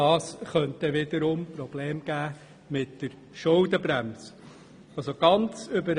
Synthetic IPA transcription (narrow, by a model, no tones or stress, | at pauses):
ɑːsχœnt̪əʋɪd̪əɾʊmpɾɔb̥leːmɡ̥æː | mɪtd̥əɾ | ʃʊldəbɾæms | ɑlsoɡ̥ɑnt͡sʏbəɾ